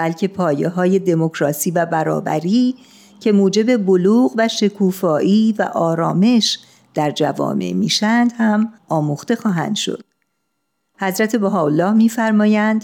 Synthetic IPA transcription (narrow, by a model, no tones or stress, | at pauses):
bælcʰe̞pʰɒːjeɦɒːje̞d̪e̞mo̞kʰɾɒːsiːvæbæɾɒ̰ːbæ̰ɾiː | cʰe̞muːd͡ʒe̞be̞boluːɣvæʃe̞kʰuːfɒːʔiːvæ̰ʔɒːɾɒːme̞ʃ | d̪̥æɾd͡ʒæ̰vɒ̰ːme̞̰ʔmiːʃænd̪hæmɒːmuxt̪e̞xɒːɦæ̰nd̪̥ʃo̞̰d̪̥̚ | hæzɾæt̪ʰe̞boɦɒːolːɒːhmiːfæɾmɒːjænd̪̥